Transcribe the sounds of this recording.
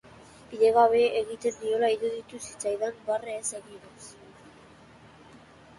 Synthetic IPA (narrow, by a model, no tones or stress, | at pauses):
piðe̞ɣaβe̞eɣit̪e̞nd̪io̞laiɾuðit̪usi̥t͡sajðambareːseɣinos